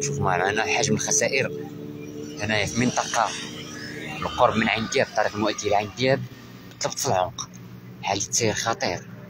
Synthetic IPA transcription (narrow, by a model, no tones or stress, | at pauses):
ʃufmaʕmaʕnæħaʒməlxæsæʔəɾ | ænæjæfimənt̪ˤɑqɑ | əlqoɾˤbmənʕand̪jæb̚t̪ːˤɑɾiqəlmwæʔt̪ijlʕand̪jæb | bt̪ˤləbt̪ˤfəlʕʊq | ħalːit̪sˤiɾxɑt̪ˤiɾ